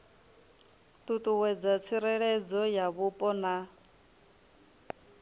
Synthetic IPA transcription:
t̪ʼut̪ʼuwɛd͡zat͡sʰiɾɛɺɛd͡zɔjaβupʼɔna

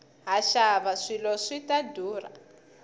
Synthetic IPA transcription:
ɦaʃaβaʂilɔʂitadʱuːra̰

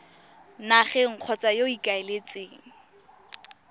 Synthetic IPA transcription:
naχɛŋ̩q͡χʰɔt͡sʼajoikʼaelet͡sʼeːŋ̩

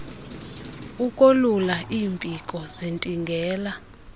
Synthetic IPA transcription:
ukʼolulaʔiːmpʼikʼɔzintʼiŋɡʱɛːla

